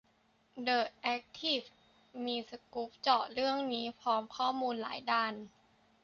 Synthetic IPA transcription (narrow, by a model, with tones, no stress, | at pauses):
dɤː˨˩t̪̚ʔɛ˦˥k̚t̪ʰi˥˩f | miː˧sa˧ku˦˥p̚t͡ɕɔː˨˩t̪̚ɾɯ˥˩əŋniː˦˥pʰɔː˦˥mkʰɔː˥˩muː˧nla̰ː˩˦jdaː˧n